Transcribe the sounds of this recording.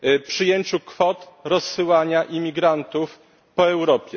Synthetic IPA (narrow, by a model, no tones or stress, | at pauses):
pʂɘjeɲt͡ɕukfɔt̪ɾɔsːɘwaɲaʔimʲiɡɾant̪uf | pɔɛwɾɔpʲjɛ